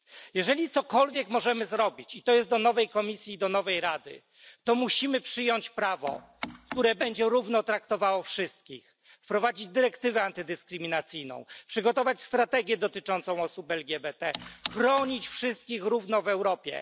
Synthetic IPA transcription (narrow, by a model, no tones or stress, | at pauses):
jɛʐɛlʲit̪sɔkɔlvʲjɛkmɔʐɛmɘzɾɔbʲit͡ɕit̪ɔjɛst̪d̪ɔnɔvɛjkɔmʲisʲjiːd̪ɔnɔvɛjɾad̪ɘ̰ | t̪ɔmuɕimɘpʂɘjɔɲt͡ɕpɾavɔ̰ | kt̪uɾɛbɛɲd͡ʑɛɾuvnɔt̪ɾakt̪ɔvawɔfʂɘst̪̚kʲix | fpɾɔvad͡ʑid͡ʑd̪ɘɾɛkt̪ɘvɛant̪ɘd̪ɘskɾɘmʲinat̪sɘjnɔ̰̃w̃pʂɘɡɔt̪ɔvat͡ɕst̪ɾat̪ɛɡʲjɛd̪ɔt̪ɘt͡ʂɔnt̪sɔ̃w̃ɔsupɛlɡʲɛbɛt̪ɛxɾɔɲit͡ɕfʂɘst̪̚kʲixɾuvnɔvɛwɾɔpʲjɛ̰